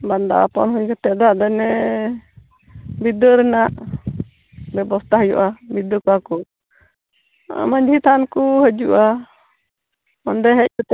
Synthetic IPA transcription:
band̪a̰ʔa̰pɔnɦujkət̪ɛd̪ad̪ɛnɛ | bid̪əɾɛnaʔ | bɛbɔst̪ʰaɦəjṵʔabid̪əkɔakɔ | maɲd͡ʒʱit̪ʰankuɦəd͡ʒuʔa | mɔnd̪ɛɦɛc̚kut̪ɛ

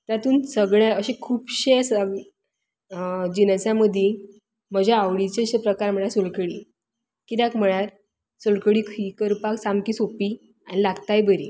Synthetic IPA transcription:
t̪jat̪uːnsəɡɭjãəɕekʰuːpɕesə | d͡ʑinəsãməd̪ʱji | məd͡ʑʱaːʋɽit͡ɕeɕepɾəkaɾm̤əɭasolkəɽḭ | kit̪jakm̤əɭjaɾ | solkəɽiːkʰikəɾpaksamkiːsopiː | anilaɡt̪ajbəɾḭː

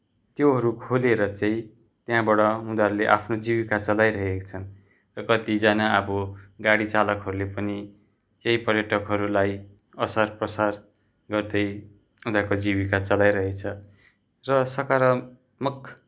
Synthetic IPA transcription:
t̪joɦʌɾukʰoleɾʌt͡saĩ | t̪jãbʌɽʌɦũd̪aɾuleʔa̰pʰnod͡zibikat͡sʌlajɾʌɦekt͡sʰʌn | rʌkʌt̪id͡zanaʌbʌɡaɽit͡salʌkɦʌɾulepʌni | kʌjpʌrjʌʈʌkɦʌɾulaj | ʌsʌrprʌsar | ɡʌrd̪ʌj | ɦũd̪akod͡zibikat͡sʌlajɾʌɦekt͡sʰʌ | rʌsʌkaɾʌ | mʌkʰ

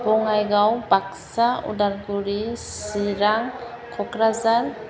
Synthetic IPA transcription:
bɔŋajɡawbak̚saṵdaɾɡuɾisiɾaŋ | kʰɔkɾazaɾ

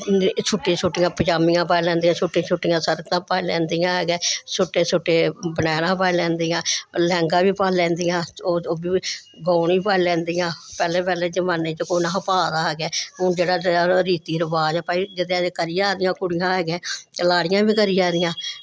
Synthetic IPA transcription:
t͡ʃʰʊʈːit͡ʃʰʊʈːɪjãːpət͡ʃaːmijãːpaːlɛ̃ːnd̪iãːt͡ʃʰʊʈːĩt͡ʃʰʊʈːɪjãːsəɾkt̪ãːpaːilɛ̃ːnd̪ijãːɦɛːɡɛːsʊʈːeːsʊʈːeːbənɛːɽãːpaːilɛ̃ːnd̪iːãːlɛ̃ːŋɡãːʋiːpaːlɛ̃ːnd̪ɪjãːoːoːbiː | ɡaːniːpaːlɛ̃ːnd̪ijãːpɛːleːpɛːleːd͡ʒəmaːneːt͡ʃəkoːnãːɦpaːd̪aːɦɛːɡɛːʊ̃ːd͡ʒeːɽaːɾiːt̪iːɾəbaːd͡ʒapaːid͡ʒɪt̪ːãkəɾɪjaːd̪ɪjãːkʊɽɪjãːɦɛːɡɛ̃ːt̪laːɽɪjãːbiːkəɾɪjaːd̪ɪjãː

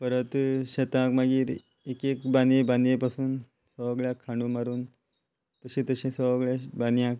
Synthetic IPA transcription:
pəɾət̪ɕet̪ãkmaɡiːɾ | ekekbandeband̪jepasuːn | səʋəɡɭjãkʰːãɳɖumaɾuːn | t̪əɕĩːt̪əɕĩsəʋəɡɭjabanjãk

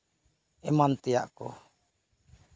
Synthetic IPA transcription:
ɛmant̪ia̰ʔkɔ̰

